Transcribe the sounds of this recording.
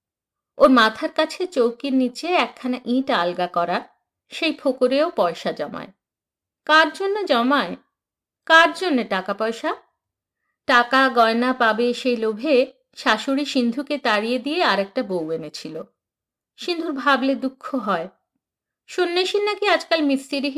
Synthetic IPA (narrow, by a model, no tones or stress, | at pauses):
oɾmat̪ʰaɾkat͡ɕʰet͡ɕowkiɾnit͡ɕeɛkʰːanaʔiʈalɡakɔɾa | ʃejpʰokoɾeopɔeʃad͡ʑɔma̰e | kaɾd͡ʑonːed͡ʑɔmae | kaɾd͡ʑonːeʈakapɔeʃa | ʈakaɡɔenapabeʃejlobʱe | ʃaʃoɾiʃind̪ʱuket̪aɽijed̪ijeaɾek̚ʈabowenet͡ɕʰilo | ʃind̪ʱuɾbʱabled̪ukʰːoɦɔe | ʃunːeʃinːakiad͡ʑkalmisʈeɾiɦ